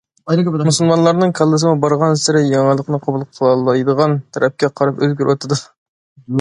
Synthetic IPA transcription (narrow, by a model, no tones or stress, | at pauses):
musulˠmɑnlˠɑɾnɨŋkʰɑlˠːɨs̬ɨmubɑɾʁɑnsɪɾɪjɑŋɑlˠəqnɨqʰɑbulˠqʰəlˠɑlˠɑjd̪əʁɑnt̪ʰɛɾʔɛp̚kʲɛqʰɑɾɑpøzɡʲyɾʔot̪ʰɨd̪u